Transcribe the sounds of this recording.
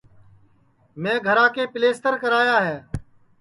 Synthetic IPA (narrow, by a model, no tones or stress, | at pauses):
mɛ̃ːɡʱəɾãːkeːpɪleːst̪əɾkəɾaːjaːɦeː